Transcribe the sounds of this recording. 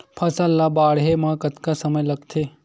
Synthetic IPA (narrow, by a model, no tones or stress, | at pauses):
pʰɐsɐlːabaːɽɦemãːkət̪kasəməjlɐɡt̪ʰeː